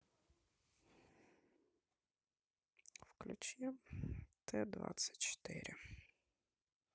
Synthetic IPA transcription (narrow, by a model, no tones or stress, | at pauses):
wklʲʊt͡ʃiwt̪ʰɛd̪ʋɑ̰sʲɐ̥t̚ʲt͡ʃɔ̥t̪ɪ̰ɾʲɪ